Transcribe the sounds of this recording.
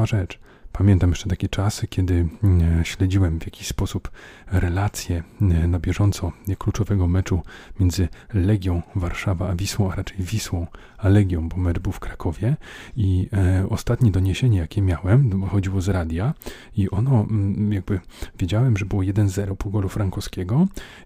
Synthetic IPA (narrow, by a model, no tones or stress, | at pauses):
aʐɛt͡ʂ | pamʲjɛnt̪amjɛ̥ʂt͡ʂɛt̪akʲɛt͡ʂaskʲjɛd̪ɘɕlɛd͡ʑiwɛmvʲjakʲi̥ɕspɔsupɾɛlat̪sʲjɛnabʲjɛʐɔnt̪sɔklut͡ʂɔvɛɡɔmɛt͡ʂumʲjɛnd̪zɘlɛɡʲjɔ̃w̃vaɾʂavaːvʲiswɔ̃w̃aɾat͡ʂɛjvʲiswɔ̃w̃ | alɛɡʲjɔ̃w̃bɔmɛt͡ʂbɘwfkɾakʰɔvʲjɛiɔst̪at̪ɲɛd̪ɔɲeɕeɲɛjakʲɛmʲjawɛmxɔd͡ʑiwɔzɾad̪ʲja | iʔɔnɔjaɡ̚bɘvʲjed͡ʑawɛmʐɛbɘwɔjɛd̪ɛnzɛɾɔpuɡɔlufɾaŋkɔskʲɛɡɔ